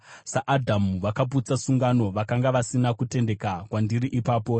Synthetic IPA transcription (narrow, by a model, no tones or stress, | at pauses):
saʔːdʱamuʋakap̬ut͡sasuŋɡano̞ʋakaŋɡaʋasinakute̞nde̞kakwandiɾiʔipaːpo̞